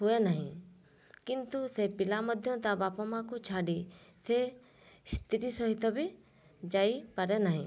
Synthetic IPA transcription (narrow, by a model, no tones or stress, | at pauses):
ɦuenaɦḭ̃ | kint̪usepɪlaməd̪ʱjɔ̃t̪abapɔmãkut͡ʃʰaɖise | st̪ʰiɾisɔɦit̪ɔbi | d͡ʒaipəɾenaɦḭ̃